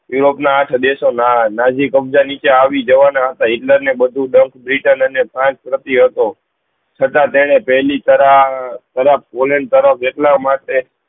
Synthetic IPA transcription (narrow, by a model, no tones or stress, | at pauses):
juɾopnaːʈʰd̪esonanad͡ʒikəbd͡ʒanit͡ʃaːʋid͡ʒəʋanaɦət̪aiʈləɾnebəd̪ʱuɖəŋkbɾiʈənənepʰɾãt͡ʃpɾət̪iɦət̪o | t͡ʃʰət̪ãt̪eɽ̃epəɦlit̪əɾat̪əɾapʰpoləɳɖ̚t̪əɾəpʰeʈlamaʈe